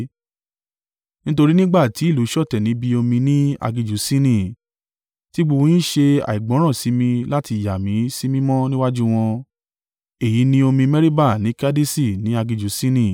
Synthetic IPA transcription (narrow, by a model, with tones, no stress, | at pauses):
nĩ˦to˧ɾi˦nĩ˦ɡ͡ba˦˨ti˨˦i˦˨lu˨˦ʃɔ˦˨tɛ˨nĩ˨˦bi˧o˧mĩ˧nĩ˦a̰˧ɡi˧d͡ʒu˨˦sĩ˦nĩ˦˨ | ti˦ɡ͡bu˧ũ˧jĩ˦ʃe˧a̰˨i˨ɡ͡bɔ̃˨˦ɾ̃ã˦˨si˨˦mĩ˧la˦ti˧˨ja˨mĩ˨˦si˦mĩ˦mɔ̃˦nĩ˦wa˦d͡ʒu˦w̃ɔ̃˧ | e˦˨ji˨˦nĩ˦o˧mĩ˧mɛ˦ɾi˦ba˦˨nĩ˨˦ka˦di˦si˦˨nĩ˨˦a˧ɡi˧d͡ʒu˨˦sĩ˦nĩ˦